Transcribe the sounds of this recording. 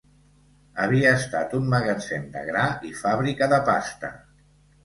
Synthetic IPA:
əβiəːst̪at̪umməɣət͡send̪ə̰ɣɾaifaβɾikəðəpa̰st̪ə̰

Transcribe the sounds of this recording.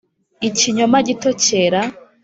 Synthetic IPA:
iciɲomaɟitoceɾa

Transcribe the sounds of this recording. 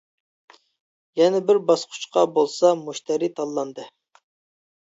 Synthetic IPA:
jɛnɛbɪɾbɑsqʰʊ̥t͡ʃqʰɑbolˠsɑmuʃt̪ʰɛɾit̪ʰɑlˠːɑnd̪ɨ

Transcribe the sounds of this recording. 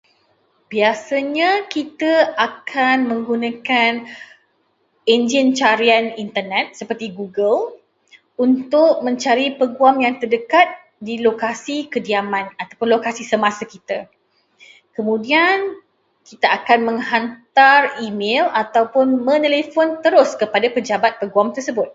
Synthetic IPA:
b̥iasaɲãkit̪aakʰanmə̃ŋɡunãkan | end͡ʒint͡ʃaɾianint̪ərnɛt̪̚səpərt̪iɡuɡəl | unt̪ʊk̚mə̃ɲt͡ʃaɾipəɡuamjaŋt̪ərdəkat̪̚ | dilokasikədiamãnat̪awpʊnlokasisəmasakit̪a | kəmũdian | kit̪aakanmə̃ŋhant̪arimelat̪awpʊnmə̃nelefɔnt̪əɾʊskəpadapəd͡ʒabat̪̚pəɡuamt̪ərsəbʊt̪̚

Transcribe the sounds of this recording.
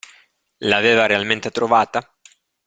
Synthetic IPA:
laːveːvaɾealment̪et̪ɾovaːt̪a

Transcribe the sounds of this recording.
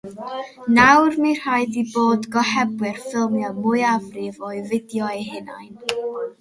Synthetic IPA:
nawrmir̥hajðiboːdɡɔhɛbwɪrfɪlˠmjɔmʊɨavrɪvɔɨvɪdjɔeɦɪna̰jn

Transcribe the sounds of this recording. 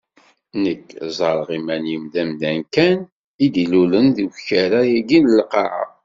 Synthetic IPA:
nəkːzˤɑɾˤʁimænimðæmðænkæn | id̪ilulənðiwçæɾajæɡinəlqɑʕə̰

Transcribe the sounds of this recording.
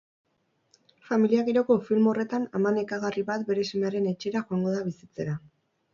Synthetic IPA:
familiaɣeɾo̞ko̞filmo̞re̞t̪anamanekaɣariβat̪be̞ɾe̞seme̞aɾe̞ne̞t͡ʃeɾaxoaŋɡo̞ðaβisit͡se̞ɾa

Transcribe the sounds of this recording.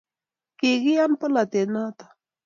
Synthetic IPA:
keɣijanpəlat̪enat̪ḁ

